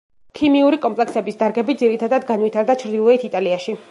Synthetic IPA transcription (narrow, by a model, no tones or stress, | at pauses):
kʰimiuɾikʼɔmpʼlɛksɛbisd̪aɾɡɛbid̪ziɾit̪ʰad̪ad̪ɡanwit̪ʰaɾd̪at͡ʃʰɾd̪ilˠɔɛt̪ʰit̪ʼaliaʃi